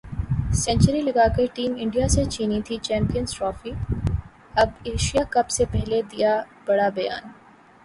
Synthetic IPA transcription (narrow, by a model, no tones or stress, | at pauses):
sɛ̃ɲt͡ʃəɾilɐɡakɐiʈiːmɪ̃ɳɖijaset͡ʃiːnit̪ʰit͡ʃɛ̃ːmpijənsʈɾɔːfi | ɐbeːʃijakɐbsepɛɦled̪ija | b̥ɐɽabɐja̰ːn